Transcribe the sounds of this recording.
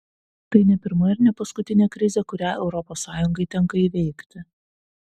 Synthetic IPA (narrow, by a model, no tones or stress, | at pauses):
t̪ɐɪnʲɛpʲɪɾmɐɪɾnʲɛpɐskʊt̪ʲɪnʲeːkɾʲɪzʲɛkʊɾʲæːɛʊɾɔpoːsːɑːjʊŋɡɐɪt̪ʲɛŋˑkɐiːʋʲɛɪkt̪ʲɪ